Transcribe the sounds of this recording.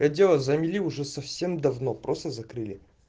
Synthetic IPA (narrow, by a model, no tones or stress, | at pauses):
ɐdʲelˠəzɐmʲilʲiʊʐɛsɐfsʲe̞md̪ɐvnopɾʔost̪əzɐkɾɨlʲɪ